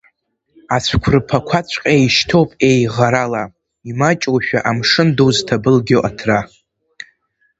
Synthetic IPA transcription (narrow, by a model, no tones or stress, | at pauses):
at͡ɕʷʰkʷʰrɨpʰakʷʰat͡ɕʷʰʼqʲʼejʃtʰo̞wpʼe̞jʁaɾala | imat͡ʃʼwʃᶣaʔamʂɨnduwztʰabɨlɡʲoʔatʰra